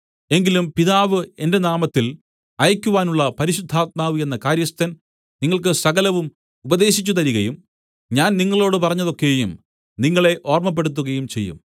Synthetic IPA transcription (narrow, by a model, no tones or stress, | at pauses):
e̞ŋɡilumpiðaːʋɨe̞nde̞naːmɐt̪ːil | ɐjɐkʲːuʋaːnuɭːɐpɐɾiɕud̪ʱːaːt̪̚maːʋɨe̞nːɐkaːɾjɐst̪ːɐn | niŋːɐɭkɨsɐɣɐlɐʋum | ubɐðe̞ːɕit͡ɕːut̪ɐɾiɣɐjum | ɲaːnniŋːɐɭo̞ːɽɨpɐrɐɲːɐðo̞kːejum | niŋːɐɭe̞ʔo̞ːrmɐp̬ːeɽut̪̬ːuɣɐjumt͡ɕe̞̰jːṵm